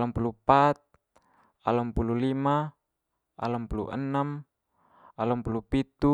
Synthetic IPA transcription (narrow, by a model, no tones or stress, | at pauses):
lampulupat̪̚ | alampululima | a̰lampulṵʔənːam | alampulupit̪u